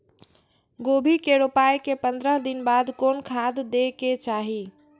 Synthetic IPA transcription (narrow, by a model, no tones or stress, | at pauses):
ɡobʱikeɽopajkepənd̪ɾəɦd̪inbad̪konkʰad̪ːeket͡ʃaɦi